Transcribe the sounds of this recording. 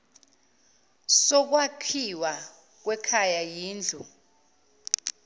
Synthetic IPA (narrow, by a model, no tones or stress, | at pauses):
sɔk̬wakʰiwa | k̬wɛkʰajajiːnd͡ɮʱu